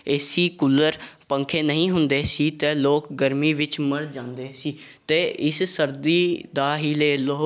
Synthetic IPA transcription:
esiːkʊlːəɾpə̃ŋkʰeːnəɦĩːɦʊnd̪eːsiːt̪eːloːkɡəɾmiːʋɪt͡ʃməɽd͡ʒãːnd̪eːsiːt̪eːɪssəɾd̪iːd̪aːɦiːləeːloː

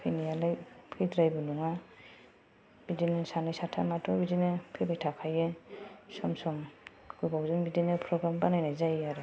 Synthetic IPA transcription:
pʰɯnijalajpʰɯdɾajbɯnuŋa | bidinɯsanɯjsatʰamatʰɔbidinɯpʰɯbajtʰakʰajɯsɔmsɔm | ɡ̥ɯbawzɯnbidinɯpʰɾɔɡɾambanajnajzajaɾɔ

